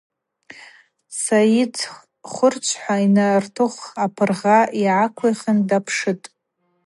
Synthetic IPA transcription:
saitʰ | χʷʊrt͡ʃʷʰħʷainartʰɨχʷapʰɨrʁaiʕakʷʰaχʲɪndapʰʂɨtʼ

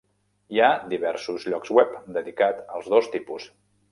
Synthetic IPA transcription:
iad̪iβɛɾsuzʎɔkzwɛpd̪əðikat̪əlˠzðost̪ipus

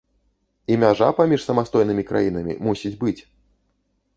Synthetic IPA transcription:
imʲaʐapamʲiʂsɐmast̪ɔjnɨmʲikɾa̰jin̪ɐmʲḭmusʲid͡zʲbɨt͡sʲ

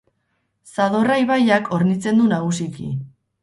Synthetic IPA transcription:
saðo̞rajβajakʰo̞ɾnit͡se̞nd̪unaɣ̞usikḭ

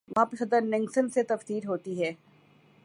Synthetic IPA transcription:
ʋɐɦãːpesɐd̪əɾnɪ̃ŋɡsənset̪ɐfsiːɾɦoːt̪iɦɛː

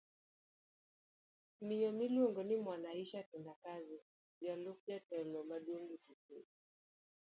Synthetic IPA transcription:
mijɔmilɔŋɡɔnimwanaiʃatundakazi | d͡ʒalɔk̚jatɔlɔmaɗuŋɡisitɛ

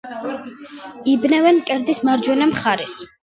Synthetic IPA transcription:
ibnɛvɛnkʼɛɾd̪ismaɾd͡ʒwɛnamχaɾɛs

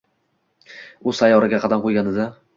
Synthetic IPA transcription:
ʊzsajɒɾɪɡʲaqʰɑd̪amqʰojɡʲand̪ɪd̪a

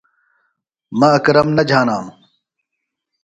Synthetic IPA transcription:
mɐɐkɾɐmnɐd͡ʑʱaːnaːm

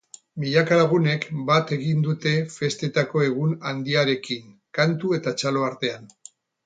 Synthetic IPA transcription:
miʎakalaɣ̞une̞kbat̪e̞ɣind̪ut̪e̞fe̞st̪e̞t̪ako̞e̞ɣ̞unand̪iaɾe̞kiŋkant̪ue̞t̪at͡ʃalo̞aɾt̪e̞an

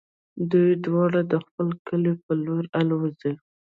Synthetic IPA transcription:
d̪ujd̪wɑɽad̪əxpəlkəlepəloɾalwazi

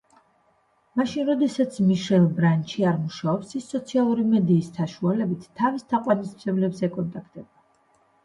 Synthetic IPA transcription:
maʃinɾɔd̪ɛsat̪sʰmiʃɛlˠbɾant͡ʃʰiaɾmuʃaɔpsisːɔt̪sʰialˠuɾimɛd̪iːssʰaʃualɛbit̪ʰːavist̪ʰaqʼwanismʰɛblɛbzɛkʼɔnt̪ʼakʰt̪ʼɛba

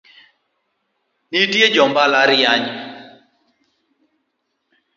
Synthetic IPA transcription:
nitjed͡ʒɔmbalaɾjaɲ

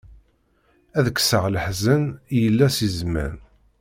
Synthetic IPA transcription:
æðəkːsəʁləħzənjəlːæsizmæ̰n

